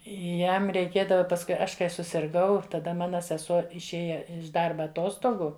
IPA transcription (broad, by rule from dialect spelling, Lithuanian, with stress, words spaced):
ˈjɛm rʲɛɪˈkʲeːdɐʋɐ pɐsˈkʊɪ ˈɐʃ kɐɪ sʊsʲɪrˈɡɐʊ tɐˈdɐ ˈmɑːnɐ sʲɛˈsuɔ ɪʃʲˈeːjɛ ɪʃ ˈdɐrbɐ ɐˈtoːstoːɡʊ